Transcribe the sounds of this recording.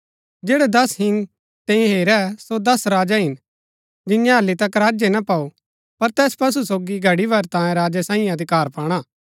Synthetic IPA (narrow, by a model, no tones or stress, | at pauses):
d͡ʒeːɽɛd̪ɐsɦɪn | t̪ɛ̃ĩɦeːɾɛsod̪ɐsɾaːd͡ʒaɦɪn | d͡ʒɪnjãɦɐlːit̪ɐkɾaːd͡ʒɛnɐpau | pɐɾt̪ɛːspɐs̬usoːɡiɡʱɐɽibɐɾt̪ãːẽɾaːd͡ʒɛsãːĩj̃ɐd̪ʱɪkaːɾpaːɽ̃aː